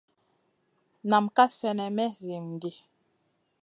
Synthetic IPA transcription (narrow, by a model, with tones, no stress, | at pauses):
na˨mka˦sɛ˨nɛ˨mɛ˦zi˨mdi˨